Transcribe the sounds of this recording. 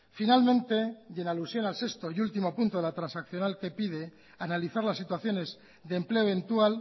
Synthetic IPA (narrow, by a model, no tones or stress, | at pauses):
finalmẽnt̪e̞ʝenalusjo̞nalse̞st̪oiult̪imopunt̪o̞ðeat̪ɾansakθjo̞nalke̞piðe̞ | analiθaɾlasːit̪waθjo̞ne̞z | ðempleo̞ent̪uwal